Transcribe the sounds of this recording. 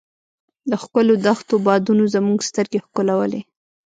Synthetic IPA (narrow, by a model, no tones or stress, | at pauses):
d̪əxkəlod̪axt̪obɑd̪unozəmuɡst̪əɾɡexkʊlawəlḛ